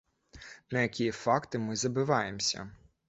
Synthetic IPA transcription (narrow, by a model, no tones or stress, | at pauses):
nɐjɐkʲijifɑkt̪ɪmɪzɐbɪʋɑjemsʲɐ̰